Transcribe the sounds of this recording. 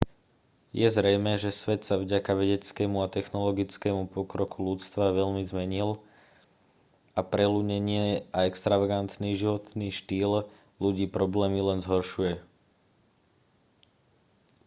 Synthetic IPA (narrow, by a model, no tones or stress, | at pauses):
jɛzɾɛjmɛːʒɛsʋɛt̪savɟakaʋɛɟɛt͡skɛːmuat̪ɛxnɔlɔɡit͡skɛːmupɔkɾɔkulut͡st̪ʋaʋɛʎmizmɛɲil | apɾɛluɲɛɲɪɛaɛkst̪ɾaʋaɡant̪niːʒiʋɔt̪niːʃt̪iːl | luɟiːpɾɔblɛːmilɛnzɦɔɾʃujɛ